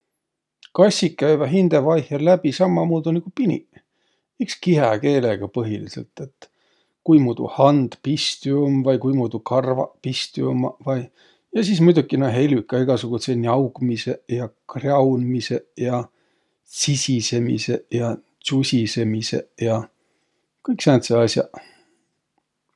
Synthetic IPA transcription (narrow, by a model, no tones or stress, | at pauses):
kɑsʲikːæjvɑɦind̪̥evɑjhjɑllæb̥isɑmːɑmuːd̪̥unikupinʲḭ | ikskiɦɑke̞ːleɡ̥ɑpɤɦilise̞̰lt̪ːˑe̞t̪ː | kujmuːd̪̥ṵhɑnd̪̥pist̪iumvɑjkujmuːd̪̥ukɑrvɑ̰pist̪iumɑvɑj | jɑsismujd̪ukːinoɦe̞lʲykːˑɑiɡ̥ɑsuɡ̥usenʲiɑwɡ̥mise̞jɑkrɑwnmise̞jɑ | sisʲise̞mḭse̞jɑ | t͡susʲise̞mise̞̰jɑ | kɯjksent̪seɑsʲjɑ̰